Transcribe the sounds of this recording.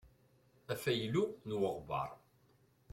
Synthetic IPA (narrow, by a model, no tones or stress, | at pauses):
æfæjlunwəʁbɑ̰ɾˤ